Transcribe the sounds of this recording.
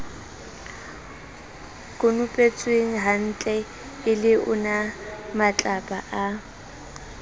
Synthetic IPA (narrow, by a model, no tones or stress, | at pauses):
kʼʊnʊpʼet͡sʼweŋ̩ɦan̩t͡ɬʼɛ | ɪlɪʔʊnamat͡ɬʼapʼaʔa